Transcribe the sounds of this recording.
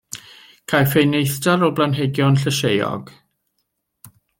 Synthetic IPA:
kʰajfejnejθdaɾɔblanɦeɡjɔnɬəʃejɔ̰ɡ̥

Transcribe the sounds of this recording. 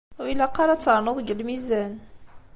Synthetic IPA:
ilæqːɑɾˤat͡sːəɾˤnoðˤɡəlmizæn

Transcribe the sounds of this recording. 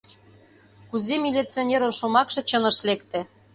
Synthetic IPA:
kuzemʲilʲit͡sionʲeɾonʃomɑkʃɤ̆t͡ɕɤ̆nɤ̆ʃlekt̪ĕ

